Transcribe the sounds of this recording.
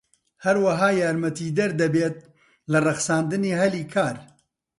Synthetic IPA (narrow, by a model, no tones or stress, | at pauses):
hɐɾwɐɦaːjaːɾmɐt̪iːd̪ɐɾd̪ɐbeːt̪̚ | lɨrɨxsaːnd̪ɨneːhɐliːkʰaːɾ